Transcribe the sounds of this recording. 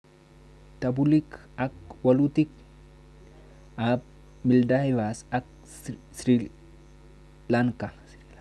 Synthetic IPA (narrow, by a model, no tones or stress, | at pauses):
t̪ɐbulik | ɐk̚wɐlut̪ik | ab̚ | mɪld̪ahɪvasɐk̚ | sɾi | laŋkas